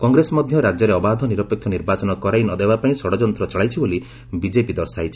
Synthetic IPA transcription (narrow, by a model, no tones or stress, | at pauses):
kɔŋɡɾesɔmɔd̪ʱjɔɾad͡ʒjɔɾeɔbad̪ʱɔniɾɔpekʰːjɔniɾbat͡ʃɔnɔkɔɾajnɔd̪ebapaĩsɔɽɔd͡ʒɔnt̪ɾɔt͡ʃɔɭajt͡ʃʰiboli | bid͡ʒepid̪ɔɾsajt͡ʃʰi